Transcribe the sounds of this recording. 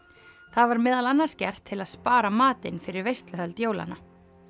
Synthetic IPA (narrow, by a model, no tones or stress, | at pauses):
θaðvaɾmɪːðalanːascɛ̰r̥t̪ʰːɪlaðspaːɾamaːt̪ɪnfɪɾɪɾvejst̪lʏɦœlt̪joːwla̰na